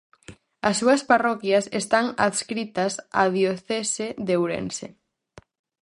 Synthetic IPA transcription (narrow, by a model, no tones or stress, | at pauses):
asːuɐsparɔkjasest̪aŋaðskɾit̪asaðjoθeseðewɾḛnsḛ